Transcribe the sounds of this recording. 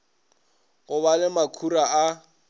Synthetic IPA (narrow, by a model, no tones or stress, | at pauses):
ɣʊβalɪmakʰuraa